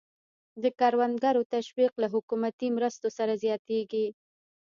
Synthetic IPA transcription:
d̪əkɑɾwand̪ɡaɾot̪aʃwiqlaɦʊkumat̪imɾəst̪osaɾazjɑt̪eɡi

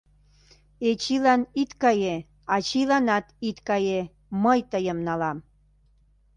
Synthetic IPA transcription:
et͡ɕilɑnit̪kɑje | ɑt͡ɕilɑnɑt̪it̪kɑje | məjt̪əjəmnɑlɑm

